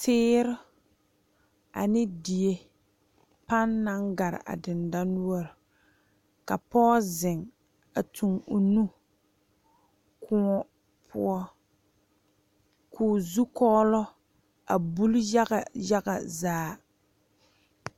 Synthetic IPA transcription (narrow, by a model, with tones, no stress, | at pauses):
tɪː˦ɾɪ˦ | a̰˨nɪ˦di˨e˦ | pa˦nːa˦ŋɡa˨ɾɪ̰˨ʔa̰˨dɪ˨nda˦nu˦ɔ˦ɾɪ˨ | ka˨pɔː˦zɪ˨ŋ | a˨tʰu˨ŋu˨nu˦ | kʰʊ˦ | pʰʊ̰˦ɔ˦ | kʰuː˨zu˦kɔː˦lɔ˦ | a˨bu˦lja˦ɣa˨ja˦ɣa̰˨zaː˦